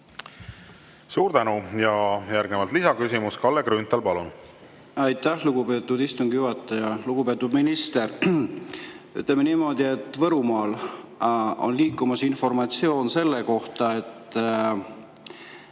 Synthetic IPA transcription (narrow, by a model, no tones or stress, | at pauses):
suːɾt̪ænujɑjærɡ̥nevɑlt̪lisɑkysimuskɑlːekɾynt̪ˑɑlpɑlun | ɑjt̪ːæhluɡ̥ube̞ːt̪ːˑud̪ist̪uŋɡ̥juhɑt̪ːˑɑjɑluɡ̥upe̞ːt̪ːˑud̪minist̪e̞r | y̰t̪ːˑlemeniːmo̞d̪ie̞t̪ːvɤɾumɑːl | o̞̰nliːkːˑumɑsinfo̞rmɑt̪sio̞ːnse̞lːeko̞ht̪ɑe̞t̪ːˑ